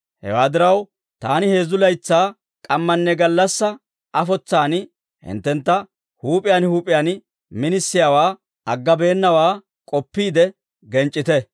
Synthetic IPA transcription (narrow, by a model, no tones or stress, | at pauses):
hɛ̰waːd̪ɪɾɐw | t̪aːnɪhe̞ːzʊlɐjt͡sːaː | kʼɐmːɐnːɛɡɐlːɐsːɐ | ʔɐfɔt͡sːaːn | hɪ̰nt̪ːɛnt̪ːɐ | huːpʼɪjaːnhuːpʼɪjaːn | mɪnɪsːɪjawaː | ɐɡːɐbe̞ːnːɐwaː | kʼɔpːiːd̪ɛ | ɡɛnt͡ʃʼːɪt̪ɛ